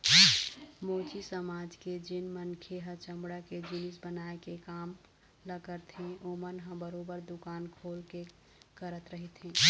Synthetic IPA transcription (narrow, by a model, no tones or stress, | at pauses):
mot͡ʃʰisəmad͡ʒked͡ʒɪnmənkʰeɦət͡ʃəmbɽaked͡ʒinisbənaekekam | ləɡəɾt̪ʰɦẽomənɦə̃bəɾobəɾd̪ukaːnkʰolke | kəɾət̪ɾəɦit̪ɦẽ